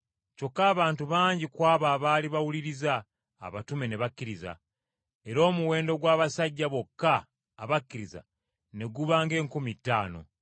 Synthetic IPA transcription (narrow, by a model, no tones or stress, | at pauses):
co̞kːaːβaːntuβaːɲɟikwaːβaːβaːliβawuliɾiza̰ː | βatume̞ne̞βakːiɾiza̰ | e̞ɾo̞ːmuwe̞ːndo̞ɡwaːβasaɟːaβo̞kːaː | βakːiɾiza̰ | ne̞ɡuβaːŋɡe̞ːŋkumitːaːno̞̰